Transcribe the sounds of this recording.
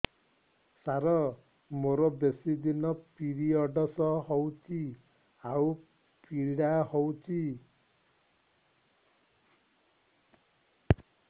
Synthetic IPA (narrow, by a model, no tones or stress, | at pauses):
saɾʌ | moɾɔbesid̪inʌpiɾiʌɖʌsʌɦʌwt͡si | aw | piɽahɔwt͡sʰi